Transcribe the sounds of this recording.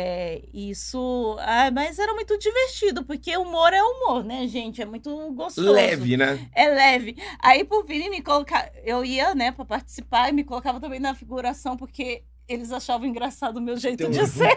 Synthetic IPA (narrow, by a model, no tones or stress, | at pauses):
ɛisʊajmɐzɛɾɐmũj̃t̪ʊd͡ʒiveɾt͡ʃid̪ʊpoɾkeumoɾɛumoɾnɛʒẽt͡ʃɪɛmũj̃t̪ʊɡost̪lozɛvɪnɛɛlɛvɪaipɾʊvĩnimɪkolokaewiɐnɛpɾɐpaɾt͡ʃi̥sipaɾɪmɪkolokavɐ̃t̪ɐ̃mbẽj̃nɐfiɡuɾasɐ̃w̃poɾke | elɪzaʃavɐ̃w̃ĩɡɾasad̪ʊʊmewʒejt̪ʊd͡ʒɪse